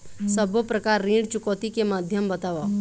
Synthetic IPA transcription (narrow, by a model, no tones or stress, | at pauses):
səbʱopɾəkaɾːĩɖt͡ʃʊkot̪ikemad̪ʱjəmbət̪aʋa